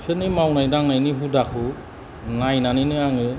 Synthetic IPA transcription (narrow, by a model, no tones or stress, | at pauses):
sʰɯnimawnajdaŋnajniɦudakʰɯ | najnaniniaŋɯ